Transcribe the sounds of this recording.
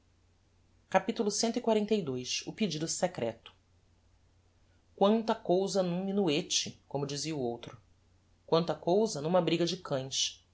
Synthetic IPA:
kapit̪ulʊsẽnt̪ʊikwaɾẽnt̪ejd̪ojʃʊpid͡ʒid̪ʊsɛkɾɛ̰t̪ʊ̥ | kwɐ̃nt̪ɐkowzɐnũmĩnuet͡ʃɪkõmʊd͡ʒiziɐuowt̪ɾʊ | kwɐ̃nt̪ɐkowzɐnũmɐbɾiɡɐd͡ʒɪkʰɐ̃j̃ʃ

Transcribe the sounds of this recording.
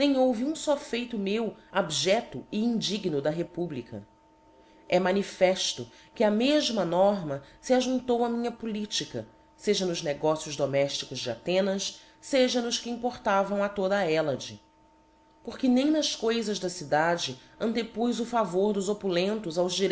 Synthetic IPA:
nẽj̃owviũsɔfejt̪ʊmewabʒɛt̪ʊɪĩnd͡ʒiɡnʊd̪ɐɦepublikɐ̰ | ɛmɐ̃nifɛʃt̪ʊ | kɪɐmeʒmɐnɔɾmɐsiaʒũnt̪owɐmĩɲɐpulit͡ʃikɐ̰ | seʒɐnʊzneɡɔsijʊzd̪omɛʃt͡ʃi̥kʊzd͡ʒɪa̰t̪ẽnɐs | seʒɐnʊʃkɪĩpoɾt̪avɐ̃w̃ɐt̪od̪ɐɛlɐd͡ʒɪ | poɾkɪnẽj̃nɐskojzɐʒd̪ɐsid̪ad͡ʒɪ | ɐ̃nt̪epujzʊfavoɾd̪ʊzopulẽnt̪ʊzawzd͡ʒiɾ

